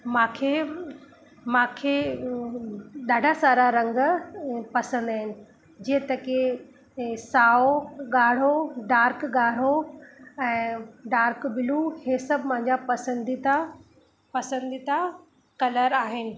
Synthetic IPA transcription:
mãːkʰeː | mãːkʰeː | ɗaːɖʱasaːɾaɾɐ̃ŋɡ | pɐsə̃nd̪aːɦɪnɪ̆ | d͡ʑiːə̃t̪ɐke | saːoɠaːɽ̤oɖaːɾkɠaːɽ̤o | ɛ̃ːɖaːɾkbɪluhẽːsɐbʱmãɦɪ̃ɲd͡ʑapɐsə̃nd̪it̪a | pɐsə̃nd̪it̪a | kɐləɾaːɦɪnɪ̆

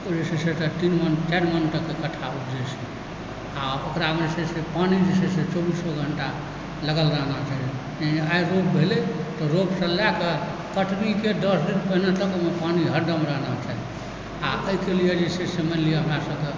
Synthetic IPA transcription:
d͡ʒisesetet̪inmənt͡ʃaɾmənʈəkekəʈʰːaupd͡ʒət͡ʃʰi | aokɾamesesepanid͡ʒiseset͡ʃobisoɡʱəɳʈa | ləɡəlɾaɦnat͡ʃaɦi | eaiɾop̚bʱelet̪ɔɾopsə̃lake | kəʈniked̪əsdit̪bənət̪əkmepaniɦəɖəmɾəɦnat͡ʃʰai | aʔəikelijed͡ʒeseseməlijeɦəmɾasəbke

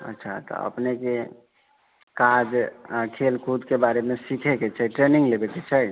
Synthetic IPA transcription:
ə̰tːʃʰat̪ɔ̰ə̰pneke | kad͡ʒakʰelkʰud̪kebaɾemesikʰeket͡ʃʰəʈɾeniŋɡlebɛket͡ʃʰəj

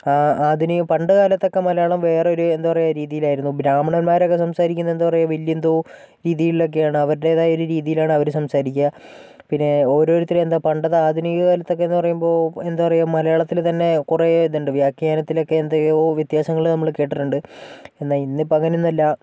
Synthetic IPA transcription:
aːaːd̪ʱinijupɐɳɖɐkaːlɐt̪ːo̞kːemɐlɐjaːɭɐmʋe̞ːreo̞ɾue̞nd̪apɐrɐjaɾiːðijilaːjiɾunːuɡɾaːmɐɳɐnmaːɾo̞kːesɐmsaːɾikʲːunːɐend̪uɐpɐrɐjuʋiljɐnd̪oː | ɾiːðijilːo̞k̬ːe̞jaːɳɨɐʋɐɾɽe̞ːðaːjo̞ɾuɾiːðijilaːɳɨɐʋɐɾusɐmsaːɾikʲːɐ | pinːe̞o̞ːɾo̞ːɾut̪ːileend̪aːpɐɳɖɐðɨaːd̪ʱinijɐkaːlɐt̪ːo̞kːenːupɐrɐjumbo̞ːe̞nd̪apɐrɐjumɐlɐjaːɭɐt̪ːilt̪ɐnːe̞kureðuɳɖɨʋjaːkːijaːnɐt̪ːilo̞kːe̞nd̪aoʋjɐt̪jaːsɐŋːɐɭnɐmːɐɭke̞ːʈːiʈːuɳɖɨe̞nːaːlinːipːoɐŋːɐninːɐlːɐ

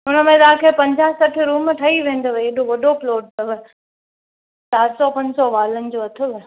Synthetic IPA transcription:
ʊnəmẽt̪aːkʰeːpɐ̃ɲd͡ʑaːɦsɐʈʰʊɾuːmʈʰɐiʋẽːn̆d̪oʋeeːɗoʋɐɗoploːʈ̚t̪ɐʋə | saːɾsɔpɐ̃ɲd͡ʑsɔʋaːlənɪ̆d͡ʑoɐt̪ʰʊʋ

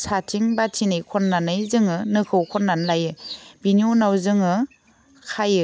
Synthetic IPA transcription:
satʰiŋbatʰinɯjkʰɔnːanɯjzɯŋɯnɯkʰɯwkʰɔnːanlajɯbiniunawzɯŋɯ | kʰajɯ

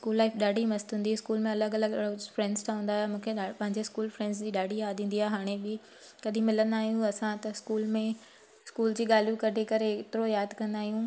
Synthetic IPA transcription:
skuːlːaːɪfɗaːɖʱimɐst̪ɦũːnd̪iɪskuːlmẽɐləɡɐləɡɭofɾɛ̃ːɳɖzt̪ʰaɦũːnd̪aːɦjemũːkʰepɐ̃ɦɪ̃ɲd͡ʑeskuːlfɾɛ̃ːɳɖzd͡ʑiːɗaːɖʱijaːd̪ʱĩːnd̪iaːeɦaːɽ̃ebɪ | kɐɗĩmɪlə̃nd̪aːɦijũɐsãt̪ɐskuːlmẽ | skuːld͡ʑiːɠaːljũkɐʈekɐɾet̪ɪɾojaːd̪kɐ̃nd̪aːɦijũ

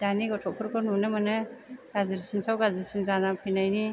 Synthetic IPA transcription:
d̥aniɡɔtʰɔpʰɔɾkʰɯnunɯmanɯɡazɯɾsinsawɡaziɾsinzanapʰɯjnajni

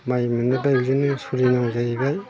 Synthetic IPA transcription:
majmɯnɯbajbizɯnɯsuɾinaŋzaibaj

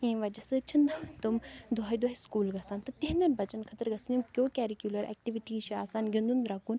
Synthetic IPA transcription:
ĩːʋɐd͡ʒɐsɨt͡ʃʰind̪t̪umd̪ʱaːid̪ʱaːiskuːlɡɐsaːnt̪ɐt̪iɦnd̪ɐnbɐt͡ʃɐnkʰɐt̪əɾɡɐsinumkʲjoːkʲɛːɾikʲjuːlɐɾɛ̰ːk̚ʈiʋiʈiːt͡ʃʰiaːsaːnɡĩnd̪und̪ɾaːkuːn

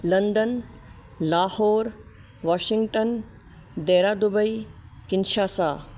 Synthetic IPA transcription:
lɐnd̪ən | laːhoːɾ | ʋaːʃɪŋɡʈən | d̪eːɾaːd̪ubɐikɪnʃaːsaː

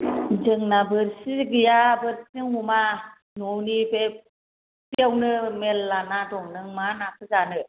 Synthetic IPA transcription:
d͡ʒɯŋnabɯɾsiɡijabɯɾ̚sɯŋuma | nuwnibe | tiawnɯmelːanadɔŋnɯŋmanakʰɯzanɯ

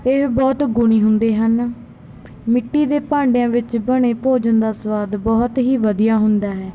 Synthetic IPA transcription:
eɦbɔːt̪ɡʊɽ̃iːɦʊnd̪eːɦən | mɪʈːiːd̪eːpãːɳɖejãːʋɪt͡ʃbəɽ̃eːpoːd͡ʒənd̪aːsəʋaːd̪bɔːt̪ɦiːʋəd̪ijaːɦʊnd̪aːɦɛː

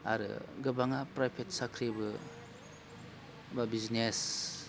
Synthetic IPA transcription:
a̰ɾɯ̰ɡɯbaŋapɾajpʰetsakʰɾibɯ | babiznes

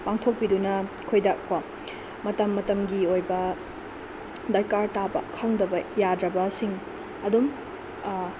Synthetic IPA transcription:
paŋtʰok̚pidunɐkʰojdɐkwam | mɐtɐmːɐtɐmɡiojbɐ | dɐɾkaɾtabɐ̰kʰɐŋdɐbɐjadɾɐbɐsiŋ | ɐdum

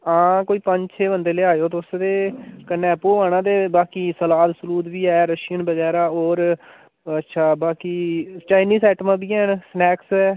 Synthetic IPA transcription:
ãːkoːiːpə̃ɲd͡ʒt͡ʃʰeːbə̃nd̪eːleːaːjoːt̪ːsd̪eːkənːɛ̃ːpoːaːnãːd̪eːbaːkiːsəlaːd̪sʊluːd̪ʋiːɛːɾəʃiːənbəɡɛːɾaːoːɾ | ətːʃʰaːbaːkiːt͡ʃaːɪniːsɛːʈmãːbiːɛːnsnɛːksɛː

